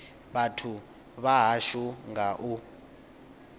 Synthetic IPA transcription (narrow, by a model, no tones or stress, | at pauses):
ɓatʰu | ɓaɦaʃuŋɡaʔu